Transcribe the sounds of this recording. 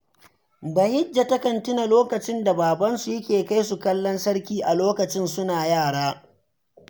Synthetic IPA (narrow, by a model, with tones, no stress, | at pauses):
ba˨hɪ˦d͡ʒːa˨tɐ˦kɐ˨ntʊ˦na˨loː˦kɐ˨t͡ʃɪ˦nda˨baː˨bɐ˦nsu˨jɐ˦kʲeː˨ka˦jsu˨kɐ˦lːɔ˦nsɐ˦ɽkʲiː˦ʔa˨loː˦kɐ˨t͡ʃɪ˦nsʊ˦naː˨jaː˦˨ɽaː˦